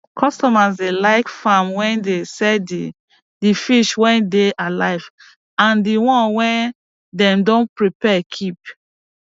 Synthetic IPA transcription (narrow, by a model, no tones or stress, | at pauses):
kʰɔstɔmasdelaɪkfamwɛ̃ndesɛdi | difiʃwɛ̃ndeʔalaɪv | ãndiwɔ̃nwɛ̃n | dɛ̃mdõnpɹipɛkʰip̚